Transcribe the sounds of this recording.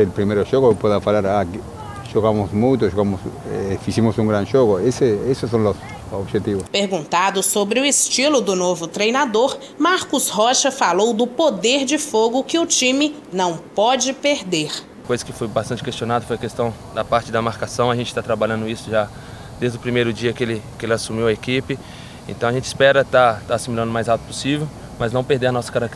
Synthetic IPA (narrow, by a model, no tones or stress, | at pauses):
elpɾimejɾʊʒoɣʊpeðɐfalaɾak | ʒoɣamʊsmũjt̪ʊʒoɣamʊsɛfizimʊsũŋɡɾɐ̃nʒoɡʊeseesʊsːõw̃los | obʒet̪ivʊspeɾɡũnt̪ad̪ʊsobɾɪʊɪst͡ʃilʊd̪ʊnovʊt̪ɾejnad̪oɾ | maɾkʊshɔʃɐfalowd̪ʊpod̪eɾd͡ʒɪfoɡʊkɪʊt͡ʃĩmɪ | nɐ̃w̃pɔd͡ʒɪpeɾd̪eɾ | kojzɐkɪfojbast̪ɐ̃t͡ʃɪkest͡ʃiõnad̪ɐfojɐkest̪ɐ̃w̃d̪ɐpaɾt͡ʃɪd̪ɐmaɾkasɐ̃w̃ɐʒẽnt͡ʃɪ̥t̪at̪ɾabaʎɐ̃nd̪ʊisʊʒa | d̪ejzd̪ʊpɾimejɾʊd͡ʒiɐkɪelɪkɪelɪasumiwɐekipɪ | ḛ̃t̪ɐ̃w̃aʒẽt͡ʃɪ̥spɛɾɐt̪at̪aːsimilɐ̃nd̪ʊmajzawt̪ʊpo̥sivew | mɐznɐ̃w̃peɾd̪eɾnɔsɐ̥kaɾakt̪